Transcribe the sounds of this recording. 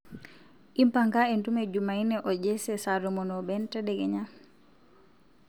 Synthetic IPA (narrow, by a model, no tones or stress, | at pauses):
ʔimpaŋkaɛntumɛd͡ʒumajnɛʔɔɟɛsɛsaɾɔmɔnɔbɛntɛɗɛɡɛɲam